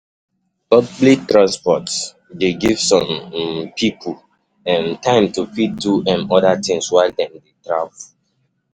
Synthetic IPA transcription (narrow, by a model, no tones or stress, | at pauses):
pɔbblitɹãnspɔts | deɡivsɔ̃mpʰipʰul | ɛ̃ntʰãɪ̃mtufit̚duʔɛ̃nɔdatʰĩŋswaɪdɛ̃ndetɹav